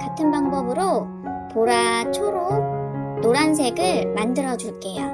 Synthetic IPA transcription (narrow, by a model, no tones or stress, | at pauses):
katʰɯnbaŋbʌbɯɾo | poɾat͡ɕʰoɾo | noɾans̬ʰe̞ɡɯɭmandɯɾʌd͡ʑuɭk͈e̞jo